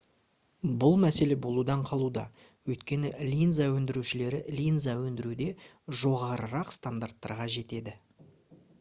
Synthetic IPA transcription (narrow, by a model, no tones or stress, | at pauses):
bʊlˠmæse̞le̞bo̞lˠud̪ɑɴqʰɑlˠud̪ɑ̰ | wɵjt̪kʲe̞nɪlʲijnzawɵnd̪ɪɾuʃɪle̞ɾɪlʲijnzɑwɵnd̪ɪɾud̪e̞ | ʒo̞ʁɑɾəɾɑqst̪and̪art̪ːɑ̰ɾʁɑʒe̞t̪e̞d̪ɪ